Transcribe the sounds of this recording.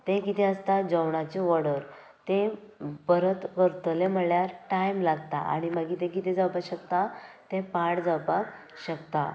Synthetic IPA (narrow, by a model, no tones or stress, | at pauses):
t̪ẽkit̪ʰɛəst̪ad͡zəwɳat͡ɕiʋɔɽəɾ | t̪ẽ | bəɾət̪kəɾt̪əlem̤əɭjaɾʈajmlaɡt̪a̰a̰ɽ̃iməɡĩːt̪ɛ̃kit̪ʰɛd͡zawpaɕəkt̪at̪ɛ̃paɽd͡zawpak | ɕəkt̪a̰